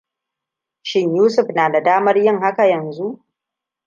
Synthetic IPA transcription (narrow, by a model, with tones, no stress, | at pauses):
ʃɪ˦ɲjuː˦sʊ˨ɸnaː˨da˨daː˦mɐ˦rjɪ˦ŋha˦ka˨jɐ˨nzu˦ʔ